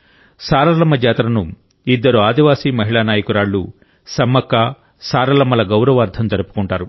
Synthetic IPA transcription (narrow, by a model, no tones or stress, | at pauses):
saːɾɐlɐmːɐd͡ʒɛːt̪ɾɐnu | id̪ːɐɾuaːd̪iʋaːsiːmɐɦiɭaːnaːjɐkuɾaːɭːṵ | sɐmːɐkːaː | saːɾɐlɐmːɐlɐɡɐwɾɐʋaːɾd̪ʱɐmt̪ɐɾɐpu̥kuɳʈaːɾu